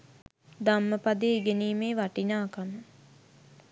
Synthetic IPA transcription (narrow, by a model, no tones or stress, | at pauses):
d̪amːəpad̪eɡeniːmeːʋaʈinaːkamə